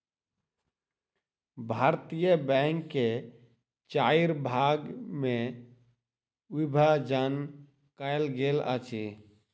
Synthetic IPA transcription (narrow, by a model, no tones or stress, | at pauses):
bʱaɾt̪ijəbɛŋkːe | t͡ʃaiɾbʱaɡme | ʋibʱad͡ʒan | kaelɡelə̰t͡ʃʰi